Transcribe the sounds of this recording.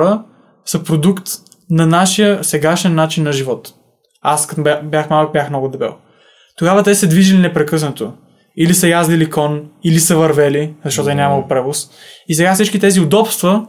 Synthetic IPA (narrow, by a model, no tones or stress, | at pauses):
ɾə | səpɾod̪ukt̪ | nɐnaʃijəsɛɡaʃɛnːat͡ʃinːɐʒivɔt̪ | ask̪bjaxmalˠk̚bʲjaxmnɔɡʊd̪ɛbɛ̰lˠ | t̪oɡavət̪ɛsəd̪viʒilinɛpɾɛkɤsnət̪o | ilisəjazlilikɔnilisəvɐɾvɛlizɐʃt̪ɔt̪ʊɛnʲamɐlˠpɾɛvosis̬ɛɡafsit͡ʃkit̪ɛziʊd̪ɔpst̪və